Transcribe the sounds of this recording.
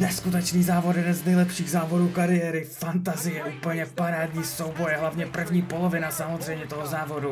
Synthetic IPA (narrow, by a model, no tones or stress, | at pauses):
nɛskut̪ɛt͡ʃniːzaːvot̪jɛdɛnznɛjlɛpʃiːɣzaːvo̞duːkaɾɪjɛɾɪfant̪azɪjɛʔuːpl̩ɲɛpaɾaːdɲiːso̞wbo̞jɦlavɲɛpr̩vɲiːpo̞lovɪnasamozr̝ɛjmɲɛt̪oɦozaːvo̞du